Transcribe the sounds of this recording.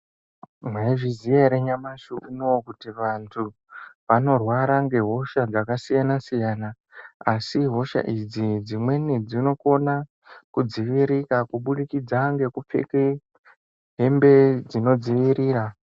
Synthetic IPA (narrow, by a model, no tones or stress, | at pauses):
mwe̞ʐizijeɾeɲamaʃuʔunowkutiʋantʰu | ʋano̞rwaɾaŋɡe̞ɦo̞ʃad͡zakasijanasijaːna | asiɦo̞ʃa̰ʔid͡zid͡zimwe̞ned͡zino̞ko̞na | kud͡ziʋiɾikakuɓuɗikid͡zaŋɡe̞kup͡fḛke | ɦe̞mbe̞d͡zino̞d͡ziʋiɾiːɾa